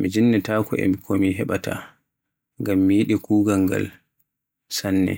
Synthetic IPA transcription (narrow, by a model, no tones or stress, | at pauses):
mid͡ʒinːɛtaːkɔʔɛ̰mikʰomiɦɛɓatʰa̰ | ŋɡamːijiɗikuːɡaŋɡa̰l | sanːɛ̰